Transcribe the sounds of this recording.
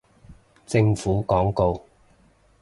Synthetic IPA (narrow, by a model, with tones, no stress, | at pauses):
t͡sɪ˧ŋfuː˨˥kɔː˨˥ŋko˧w